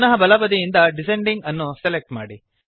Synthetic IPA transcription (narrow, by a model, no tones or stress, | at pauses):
nɐɦɐbɐlɐbɐd̪ijind̪ɐɖiseɳɖiŋɡɐnːuselek̚ʈma̰ːɽi